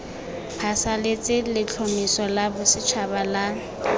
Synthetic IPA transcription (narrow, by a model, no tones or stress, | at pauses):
pʰasalet͡sʼɪlɪt͡ɬʰomisɔlabʊsɪt͡ʃʰabala